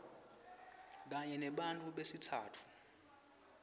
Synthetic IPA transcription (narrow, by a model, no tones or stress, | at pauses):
k̬aɲɛnɛɓantʼuɓesitʰaːtʰu̥